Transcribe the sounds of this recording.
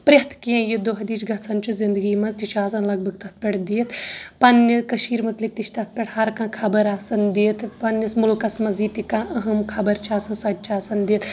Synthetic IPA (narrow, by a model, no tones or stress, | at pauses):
pɾʲɐɦt̪ʰkijãjid̪oɦɐd̪iːt͡ʃɡɐt̪sɐnt͡ʃʰuzind̪ɨɡiːmɐzt̪it͡ʃʰaːsɐnlɐɡ̚bʱɐɡ̚t̪ɐt̪̚ʰpʲeʈd̪iːt̪ʰpɐnːikɐʃiːɾmɐt̪lik̚t̪it͡ʃʰt̪ɐt̪̚ʰpʲeʈʰhɐɾkãːkʰɐbɐɾaːsɐnd̪eːt̪pɐnːɐsmulkɐsmɐziːt̪ikãːʔəɦɐmkʰɐbɐɾt͡ʃʰaːsɐnsɐd͡ʒ̪̚ʲt͡ʃʰaːsɐnd̪eːt̪ʰ